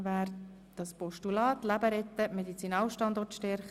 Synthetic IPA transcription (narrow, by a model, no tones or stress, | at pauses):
væːɾ | d̥ɑspɔʃtulɑːt̪læbəɾɛt̪ːəmɛd̪it͡sinɑːlʃtɑnd̪ɔrtʃtɛɾχ